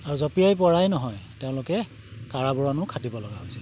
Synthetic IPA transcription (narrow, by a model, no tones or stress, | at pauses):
aɹuzɔpijajpɔɹajnɔɦɔjteʊ̃lʊkɛ | kaɹabɔɹɔnʊkʰadibɔlɔɡaɦojsi̥l